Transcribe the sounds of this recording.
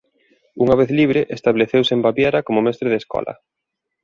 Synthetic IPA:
uŋaβeθliβ̞ɾeʔest̪aβleθewsembaβjeɾɐkomʊmɛst̪ɾeðeskɔ̰lɐ̰

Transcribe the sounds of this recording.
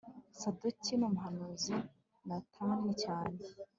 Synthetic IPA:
saducinumuɦanuzi | natʰaːŋecaːne

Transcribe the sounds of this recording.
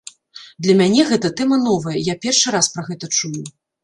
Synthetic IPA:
d̪lʲɐmʲanʲɛɣɛt̪ɐt̪ɛmɐnɔvɐjɐjapʲɛrʂɨɾaspɾɐɣɛt̪ɐt͡ʂuju

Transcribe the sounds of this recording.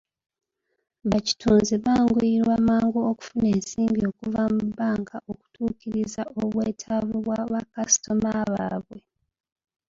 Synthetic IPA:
βaci̥tʰuːnziβaːŋɡuiɾwaːmaːŋɡoːku̥fune̞ːnsiːmbio̞kuvamubːaːŋkaʔoku̥tʰuːkiɾizaoβweːtʰavuβwaβakasi̥to̞maβaːβwe

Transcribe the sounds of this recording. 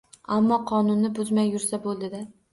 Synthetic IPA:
amːɒqʰɒnʊnːɪbʊzmajːʊɾsabolˠd̪ɪd̪a

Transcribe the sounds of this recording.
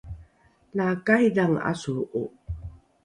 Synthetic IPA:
lakajdaŋa̰suʔu

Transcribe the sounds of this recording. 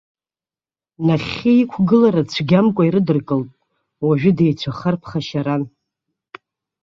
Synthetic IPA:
naχʲiikʷʰɡɨlaɾat͡sʷʰɡʲamkʷʼaiɾɨdɨrkʼɨltʼ | waʒᶣʊdejt͡sʷʰaχarpʰχaʃaɾan

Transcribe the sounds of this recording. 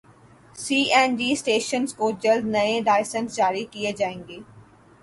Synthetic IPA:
siːʔɛːnɖiːsʈeːʃənzkod͡ʒɐld̪nɐẽɖaːɪsənsd͡ʒaːɾikied͡ʒaːẽːŋɡeː

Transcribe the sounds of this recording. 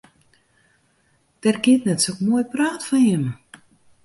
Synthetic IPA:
d̥ɛrɡiətnɛtsokmuəjpraːtfɔnjɛm

